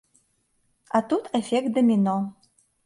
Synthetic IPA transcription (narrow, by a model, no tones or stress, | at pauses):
at̪ut̪ʰɛfʲɛk̚t̪̚d̪əmʲinɔ